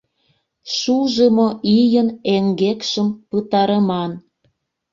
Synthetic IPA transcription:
ʃuʒəmoʔijəneŋɡekʃəmpət̪ɑɾəmɑn

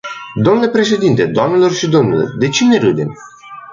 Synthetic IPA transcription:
d̪o̞mnlepɾe̞ʃe̞d̪int̪e̞d̪oamnelo̞rʃid̪o̞mnilo̰rd̪e̞t͡ʃine̞ɾɨd̪e̞̰m

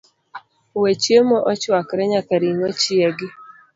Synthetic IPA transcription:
wet͡ʃjemɔʔɔt͡ʃwakɾɛɲakaɾiŋɔt͡ʃɪɛɡɪ

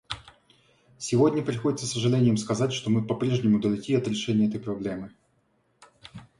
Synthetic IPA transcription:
sʲɪvo̞dʲnʲəpɾʲɪxo̞dʲɪt̪səsəʐɨlʲenʲɪjəmskɐzatʲʂt̪o̞mɨpɐpɾʲe̞ʐnʲɪmʊd̪əlʲɪkʲiɐt̪ɾʲɪʂɛnʲɪjəɛt̪əjpɾɐblʲe̞mɨ

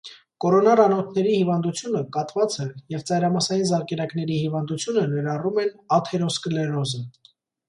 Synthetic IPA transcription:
kɔɾɔnɑrɑnɔt̪ʰnɛɾihivɑnd̪ut͡sʰjunəkɑt̪vɑt͡səjɛvt͡sɑjɾɑmɑsɑjinzɑɾkɛɾɑkn̪ɛɾihivɑnd̪ut͡sʰjunənɛɾɑrumɛnɑt̪ʰɛɾɔsklɛrɔzə

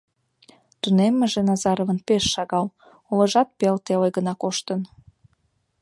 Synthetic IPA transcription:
t̪unemːĕʒenɑzɑɾovə̆npeʃːɑɣɑl | olə̆ʒɑt̪̚pelt̪elejɣənɑkoʃt̪ən

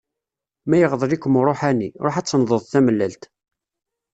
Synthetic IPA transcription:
mæjəʁðˤlikːəmɾˤoħæniɾˤoħæt͡sːənðˤəðˤθæməlːælt̪

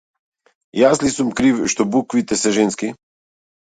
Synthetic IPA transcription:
jaslisumkɾiwʃt̪ɔbukʋit̪ɛsɛʒenski

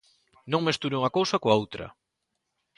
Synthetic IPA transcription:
nõŋmest̪uɾeuŋɐkowsɐkoaowt̪ɾɐ̰

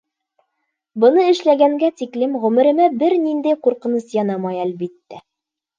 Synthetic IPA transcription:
bɤ̆nɤɘ̆ʃlæɡæŋɡæt̪iklɘmʁʉ̆mɘ̆ɾɘ̆mæbɘɾnind̪æjquɾqɤ̆nɤsjɑnɑmɑjælbit̪ːæ

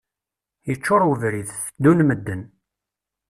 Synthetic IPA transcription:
jət͡ʃːʊɾuvɾiðθəd̪ːunməd̪ːən

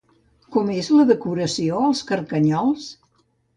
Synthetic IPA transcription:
kɔmezləðəkuɾəsioəlˠskəɾkəɲɔlˠs

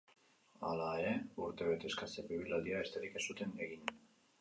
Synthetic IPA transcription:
alaeɾe̞uɾt̪e̞βet̪e̞skasepiβilald̪iaest̪eɾikesut̪e̞ne̞ɣiɲ

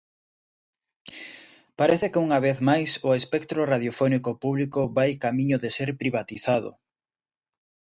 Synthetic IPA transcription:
paɾeθekeuŋaβ̞eθmajsʊespɛkt̪ɾoraðjofɔnikopuβlikʊβajkamĩɲʊðeseɾpɾiβ̞at̪iθaðʊ̰

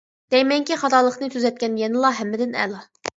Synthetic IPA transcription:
d̪̥ɛjmɛŋkʲiχɑt̪ɑːlˠəχnɨt̪ʰyzɛt̪̚kʲɛnjɛnɨlˠɑɦɛmːɪd̪ɪnɛ̰lˠɑ

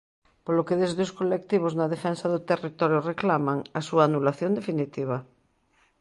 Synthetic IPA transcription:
polokeðezðeoskolek̚t̪iβ̞oznaðefɛnsaðot̪erit̪ɔɾjoreklamaŋasuaːnulaθjond̪efinit̪iβ̞a

